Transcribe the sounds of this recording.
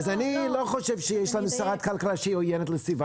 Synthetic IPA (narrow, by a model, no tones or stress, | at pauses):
zaniloχoʃevʃejeʃlanusaʁat̪kalkalaʃehiojenet̬ləsviva